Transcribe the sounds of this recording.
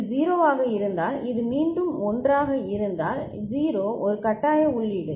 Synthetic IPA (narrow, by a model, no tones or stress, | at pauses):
ziːɾoːʋaːɣɐɪɾɯnd̪aːlɪðɯmiːɳɖɯmɔndraːɣɐɪɾɯnd̪aːl | ziːɾoːʔɔɾɯkɐʈːaːjɐʊɭːɪɽɯ